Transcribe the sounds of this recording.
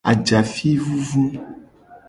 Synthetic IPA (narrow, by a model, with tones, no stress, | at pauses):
a̰˨d͡ʒa˨fi˦vu˦vu˦